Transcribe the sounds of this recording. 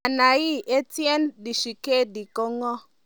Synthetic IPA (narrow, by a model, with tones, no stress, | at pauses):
a˨na˨ji˦e˦tje˦ndi˨ʃi˨ke˦˨di˨ko˦ŋɔ˦